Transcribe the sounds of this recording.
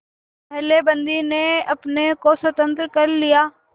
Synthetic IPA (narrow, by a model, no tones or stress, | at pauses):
ɦɛːlebə̃nd̪ineɐpnekoswət̪ə̃nt̪ɾkəɾlijaː